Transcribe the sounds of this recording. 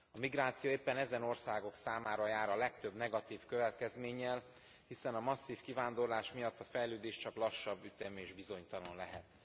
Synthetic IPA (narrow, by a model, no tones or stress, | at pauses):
ɒmiɡɾaːt̪sijoːeːpːɛnɛzɛno̞rsaːɡo̞ksaːmaːɾɒjaːɾɒlɛk̚t̪ø̞bnɛɡɒt̪iːfkø̞vɛt̪kɛzmeːɲːɛl | hisɛnɒmɒsːiːfkivaːnd̪o̞rlaːʃmijɒt̪ːɒfɛjløːd̪eːʃt͡ʃɒklɒʃːɒbːyt̪ɛmeːʒbizo̞ɲt̪ɒno̞nlɛɦɛt̪